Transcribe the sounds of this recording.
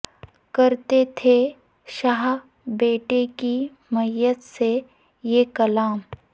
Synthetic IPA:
kɐɾt̪et̪ʰe | ʃaːɦ | beːʈeki | mɐjət̪se | jekɐlaːm

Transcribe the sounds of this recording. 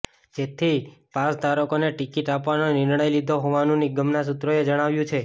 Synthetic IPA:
d͡ʒet̪ʰipasd̪ʱaɾəkoneʈikiʈapʋanonɪɾɳəjlid̪ʱoɦoʋanũniɡəmnas̬ut̪ɾoed͡ʒəɽ̃aʋjũt͡ʃʰe

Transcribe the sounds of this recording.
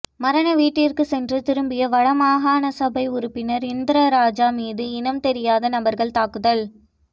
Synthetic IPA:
mɐɾɐnɐʋiːʈːɪrkɯsɛndrɯt̪ɪɾɯmbɪjɐʋɐɻɐmaːɣaːnɐsɐbɐɪʊɾʊɯpːɪnɐɾɪnd̪ɪɾɐɾaːd͡ʒaːmiːðɯɪnɐmt̪ɛɾɪjaːðɐnɐbɐɾɣɐɭt̪aːkɯðɐɭ

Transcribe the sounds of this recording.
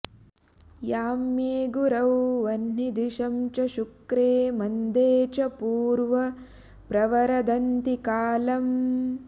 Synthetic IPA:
jaːmjeːɡuɾɐwʋɐnnid̪iʃɐmt͡ʃɐʃukɾeːmɐnd̪eːt͡ʃɐpuːɾʋɐ | pɾɐʋɐɾɐd̪ɐnt̪ikaːlɐm

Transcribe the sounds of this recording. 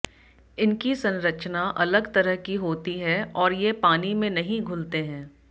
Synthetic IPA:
ɪnkisɐ̃nɾət͡ʃnaʔɐləɡt̪ɐɾəɦkiɦoːt̪iɦɛɔːɾjepaːnimẽnɐɦĩɡʱʊlt̪eɦɛ̃ː

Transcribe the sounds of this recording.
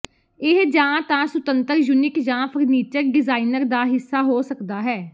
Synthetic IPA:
ɪɦd͡ʒãːt̪ãːsʊt̪ənt̪əɾjuːnɪkd͡ʒãːpʰəɾniːt͡ʃəɾɖɪzaːinəɾd̪aːɦɪsːaːɦoːsəkd̪aːɦɛː

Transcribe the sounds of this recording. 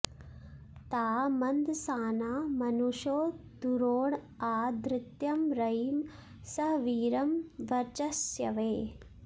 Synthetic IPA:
t̪aːmɐnd̪saːnaːmɐnuʂoːd̪uɾoːɳ | aːd̪ɾɪt̪jɐmɾɐjm | sɐɦʋiːɾɐmʋɐɾt͡ʃɐsjɐ̰ʋeː

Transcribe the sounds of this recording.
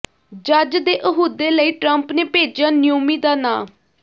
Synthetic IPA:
d͡ʒəd͡ʒd̪eːʔəɦuːd̪eːləiːʈɾəmpneːpeːd͡ʒjaːnɪjoːmiːd̪aːnãː

